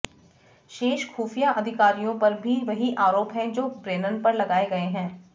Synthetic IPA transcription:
ʃeːʃxuːfijaʔɐd̪ʱɪkaːɾijõpɐɾbʱiʋɐɦiʔaːɾoːpɦɛ̃d͡ʒoːbɾeːnənpɐɾlɐɡaːeɡɐeɦɛ̃ː

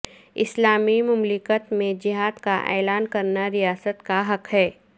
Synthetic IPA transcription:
ɪ̰slaːmimʊmlɪkət̪mẽd͡ʒɪɦaːd̪kaʔɛ̰ːlaːnkɐɾnaɾijaːsət̪kaɦɐkɦɛː

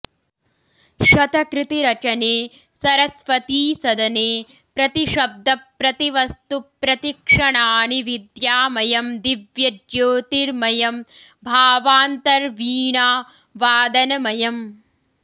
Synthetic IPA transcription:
ʃɐt̪ɐkɾɪt̪iɾɐt͡ʃɐneː | sɐɾɐsʋɐt̪iːsɐd̪ɐneː | pɾɐt̪iʃɐb̚d̪ʱɐpɾɐt̪iʋɐst̪upɾɐt̪ikʂɐɳaːniʋid̪jaːmɐjɐmd̪iʋjɐd͡ʒjoːt̪iɾmɐjɐm | bʱaːʋaːnt̪ɐɾʋiːɳaː | ʋaːd̪ɐnɐmɐjɐm

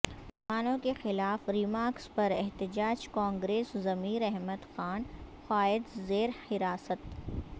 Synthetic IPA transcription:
maːnõkexɪlaːfɾimaːɾkspɐɾɛɦt̪ɪd͡ʒaːd͡ʒkãːŋɡɾeːszɐmiːɾɛɦməd̪xaːnxaːɪd̪zeːɾhɪɾaːsət̪

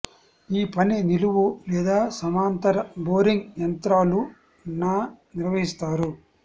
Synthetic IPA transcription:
iːpɐniniluʋulɛːd̪aːsɐmaːnt̪ɐɾɐboːɾiŋɡjɐnt̪ɾaːlu | nːaːniɾʋɐɦist̪aːɾu

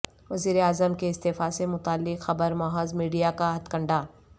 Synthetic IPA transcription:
ʋɐziːɾeaːzəmkeɪst̪eːfasemʊt̪aːlːɪqxɐbəɾmɔːɦozmiːɖijakaɦɐt̪kɐ̃ɳɖaː

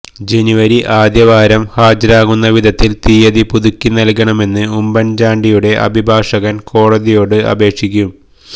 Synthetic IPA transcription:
d͡ʑe̞nuʋɐɾiʔaːd̪jɐʋaːɾɐmhaːd͡ʑɐɾaːɣunːɐʋid̪ʱɐt̪ːilt̪iːjɐðipuðukʲːinɐlkɐɳɐme̞nːɨumbɐnd͡ʑaːɳɖijuɽe̞ʔɐ̰bʱibʱaːʂɐɣɐnko̞ːɽɐðijo̞ːɽɨɐ̰be̞ːkʂik̬ʲːum

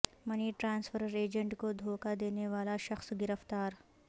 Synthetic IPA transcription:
mɐniʈɾãːnsfʰəɾəɾeːd͡ʒə̃ɳʈkod̪ʱoːkad̪eːneʋaːlaʃɐxsɡɪɾəft̪aːɾ

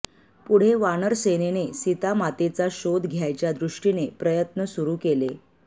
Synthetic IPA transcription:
puɽ̤eʋanəɾsenenesit̪amat̪et͡saɕod̪ɡʱjajt͡ɕjad̪ɾuʂʈinepɾəjət̪nəsuɾuːkele

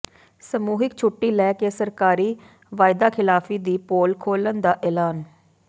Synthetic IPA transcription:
səmuːɦɪkt͡ʃʰʊʈːiːlɛːkeːsəɾkaːɾiː | ʋaːɪd̪aːkʰɪlaːfʰiːd̪iːpoːlkʰoːlənd̪aːʔɛːlaːn

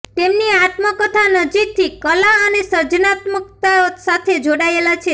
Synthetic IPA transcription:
t̪emniat̪məkət̪ʰanəd͡ʒik̚t̪ʰikəlaənesəɾd͡ʒnat̪məkt̪aosat̪ʰed͡ʒoɽaelat͡ʃʰe

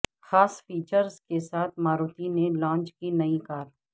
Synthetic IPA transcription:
xaːsfiːt͡ʃəɾzkesaːt̪ʰmaːɾuːt̪inelãːnt͡ʃkinɐĩkaːɾ

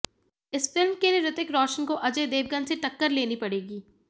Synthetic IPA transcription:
ɪsfɪlmkeliɾɪt̪ɪkɾɔːʃənkoʔɐd͡ʒed̪eːʋɡənseʈɐkːəɾleːnipɐɽeːɡiː

